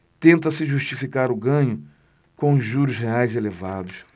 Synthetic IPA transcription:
t̪ẽnt̪ɐsɪʒuʃt͡ʃifikaɾʊɡɐ̃ɲʊ | kõʊzʒuɾʊsɦeajzelevad̪ʊs

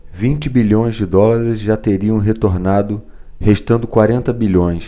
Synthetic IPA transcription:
vĩnt͡ʃɪbiʎõj̃zd͡ʒɪd̪ɔlaɾɪzʒat̪eɾiɐ̃w̃ɦet̪oɾnad̪ʊ | heʃt̪ɐ̃nd̪ʊkwaɾẽnt̪ɐbiʎõj̃s

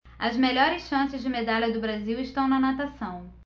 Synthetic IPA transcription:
ɐzmeʎɔɾɪsʃɐ̃sɪzd͡ʒɪmed̪alʲɐd̪ʊbɾaziwɪʃt̪ɐ̃w̃nɐnat̪asɐ̃w̃

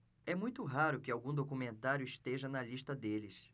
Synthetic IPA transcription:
ɛmũj̃t̪ʊɦaɾʊkɪawɡũd̪okumẽnt̪aɾjʊiʃt̪eʒɐnɐliʃt̪ɐd̪elɪs

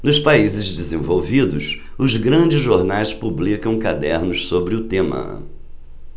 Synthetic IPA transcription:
nʊspaizɪzd͡ʒɪzẽvowvid̪ʊsʊzɡɾɐ̃d͡ʒɪzʒoɾnajspublikɐ̃w̃kad̪ɛɾnʊssobɾɪʊt̪ẽmɐ̰

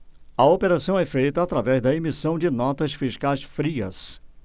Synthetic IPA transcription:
ɐopeɾasɐ̃w̃ɛfejt̪ɐːt̪ɾavɛzd̪ɐemisɐ̃w̃d͡ʒɪnɔt̪ɐsfiʃkajsfɾiɐ̰s

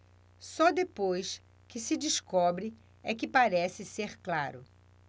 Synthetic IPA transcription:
sɔd̪epojs | kɪsɪd͡ʒiʃkɔbɾɪ | ɛkɪpaɾɛsɪseɾklaɾʊ

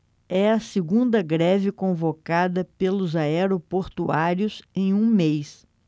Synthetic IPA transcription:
ɛɐsɪɡũnd̪ɐɡɾɛvɪkõvokad̪ɐpelʊzaɛɾopoɾt̪uaɾjiʊzẽj̃ũmejs

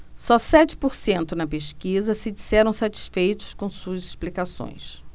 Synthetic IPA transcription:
sɔsɛt͡ʃɪ̥poɾsẽnt̪ʊnɐpeʃkizɐsɪd͡ʒisɛɾɐ̃w̃sat͡ʃi̥sfejt̪ʊ̥skõw̃suɐzɪʃplikasõ̰j̃s

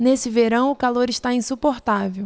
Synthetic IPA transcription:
nesɪveɾɐ̃w̃ʊkaloɾɪʃt̪aĩsupoɾt̪avew

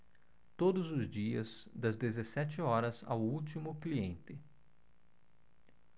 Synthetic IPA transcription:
t̪od̪ʊzʊzd͡ʒiɐz | d̪ɐzd̪ezesɛt͡ʃɪɔɾɐza̰wuwt͡ʃimʊkliẽnt̪ɪ

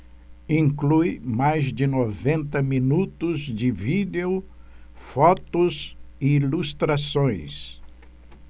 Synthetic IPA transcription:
ĩŋklujmajzd͡ʒɪnovẽnt̪ɐminut̪ʊzd͡ʒɪvid̪eʊ | fɔt̪ʊzɪilust̪ɾasõj̃s

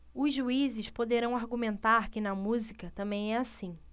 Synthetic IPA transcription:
ʊzʒuizɪʃpod̪eɾɐ̃w̃aɾɡumẽnt̪aɾkɪnɐmuzikɐt̪ɐ̃mbẽj̃ɛasĩ

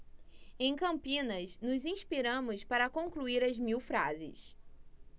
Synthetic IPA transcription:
ẽj̃kɐ̃mpĩnɐsnʊzĩspiɾɐ̃mʊspaɾɐkõkluiɾɐzmiwfɾa̰zɪ̰s

